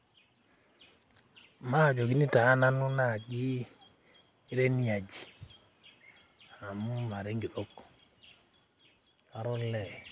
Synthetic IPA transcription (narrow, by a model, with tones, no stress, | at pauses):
ma˦˨d͡ʒo˨ki˦ni˦taː˨˦na˦nu˦na˦˨ɡi˦ | ɾe˦ni˦a˨d͡ʒi˨ | ha˨mu˦ma˨ɾe˦ŋɡi˨ʔo˦k | a˨ɾɔ˦lɛ˨